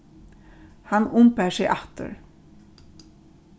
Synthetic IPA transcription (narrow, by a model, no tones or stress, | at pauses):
hanʊmpæːsɛʔaht̪ə̰ɾ